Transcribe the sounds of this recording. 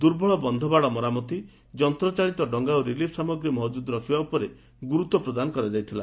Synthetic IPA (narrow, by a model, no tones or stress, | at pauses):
d̪uɾbʱɔɭɔbɔnd̪ʱɔbaɽɔmɔɾamɔt̪i | d͡ʒɔnt̪ɾɔt͡ʃaɭit̪ɔɖɔŋɡawɾilipʰsamɔɡɾimɔɦɔd͡ʒud̪ɔɾɔkʰibaupɔɾe | ɡuɾut̪ɔpɾɔd̪anɔkɔɾed͡ʒajt̪ʰila